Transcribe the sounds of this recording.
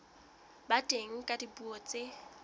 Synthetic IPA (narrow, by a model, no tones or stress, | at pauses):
badʼeŋ̩kʼadibuɔt͡sʼe